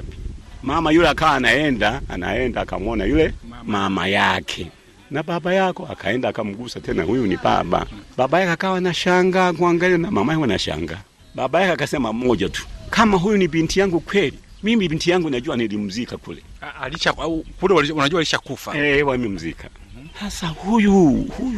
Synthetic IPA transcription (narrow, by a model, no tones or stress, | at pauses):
mamajulɛakawaːnaɛndaa̰na̰ɛndaka̰mɔnajulɛmama̰jakʰɛ | nababajakɔa̰kʰa̰ɛndakam̩ɡusatɛna̰hujuniba̰ba̰babajakakawanaʃaŋɡakuaŋɡalianamamajaɡanaʃa̰ŋɡa̰ | babajakɛakasɛmamɔɟatu̥kamaɦujunibintijaŋɡukwɛlimimibintijaŋɡunaɟuwanilim̩zikakṵlɛ | aliʃakulɛwaiunaɟuwaliʃakufaɛwamim̩zika | hasahujuhuj